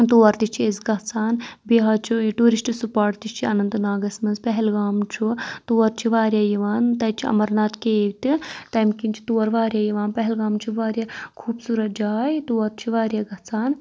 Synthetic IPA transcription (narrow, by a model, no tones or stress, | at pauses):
t̪uːɐɾt̪it͡ʃʰiezɡɐɦt͡saːnbiɦɐt͡ʃʰuʈuːɾisʈisupaːʈt̪it͡ʃʰiɐnɐnt̪ɨnaːɡɐsmɐnzpɐɦɛlɡaːmt͡ʃʰut̪uːɐɾt͡ʃʰiʋaːɾjaːjiʋaːnt̪ɐjt͡ʃʰiɐ̰mɐɾnaːt̪keːʋt̪it̪ɐmkint͡ʃʰi̥t̪uːɐɾʋaːɾjaːjiʋaːnpɐɦɛlɡaːmt͡ʃʰiʋaːɾjakʰuːbsuːɾɐt̪̚d͡ʒaːjt̪uːɐɾt͡ʃʰiʋaːɾjaːɡɐt͡saːn